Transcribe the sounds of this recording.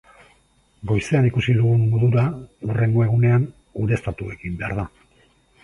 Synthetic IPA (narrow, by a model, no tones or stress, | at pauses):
ɡo̞jse̞anikusiðuɣunːoðuɾaure̞ŋɡo̞e̞ɣ̞une̞an | uɾe̞st̪at̪ue̞kimbe̞a̰ɾða